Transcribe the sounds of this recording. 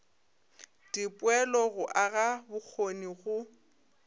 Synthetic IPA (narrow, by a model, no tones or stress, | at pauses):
d̥ipʼwɛlɔɣʊʔaɣabʊk͡xʰoniɣʊ